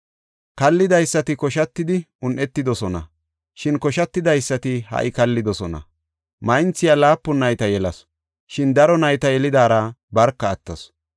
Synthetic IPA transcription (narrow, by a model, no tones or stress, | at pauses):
kɐlːɪd̪ɐjsːɐt̪ɪkɔʃɐt̪ːɪd̪ɪ | ʊnʔɛt̪ːɪd̪ɔsɔnɐ̰ | ʃɪnkɔʃɐt̪ːɪd̪ɐjsːɐt̪ɪhɐ̰ʔɪkɐlːɪd̪ɔsɔnɐ̰ | mɐjnt͡sːɪjalaːpːʊnːɐjt̪ɐjɛlɐs | ʃɪnd̪ɐɾɔnɐjt̪ɐjɛlɪd̪aːɾɐbɐɾkːɐːt̪ːɐs